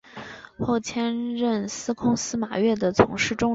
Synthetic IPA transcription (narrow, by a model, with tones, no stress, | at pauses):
xo˥˩ʊt͡ɕʰjɛ˥nɻə˥˩nsɹ̩˥kʰʊ˥ŋsɹ̩˥ma˨˩ɥɛ˥˩d̪ə˩t͡sʰʊ̰˧˥ŋʂɻ̩˥˩ʈ͡ʂʊ˥ŋ